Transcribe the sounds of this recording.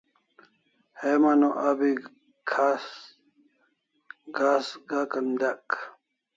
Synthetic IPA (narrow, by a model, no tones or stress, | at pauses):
hemanoʔabi | kʰas | ɡasɡakɐnd̪ak